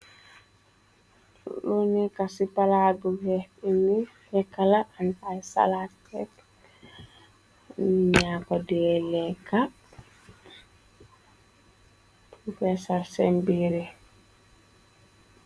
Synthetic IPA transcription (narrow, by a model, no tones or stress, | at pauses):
lunɛkasipaladuhɛhini | hɛkalaantasa̰lakɛt | niɲakɔdɛlɛka | ufɛsaɾsɛmbiɾɛ